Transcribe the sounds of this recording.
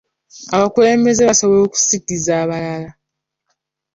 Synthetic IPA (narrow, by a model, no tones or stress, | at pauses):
aβakule̞ːmbe̞ze̞βasoβoo̞ːku̥siɡizaːβalala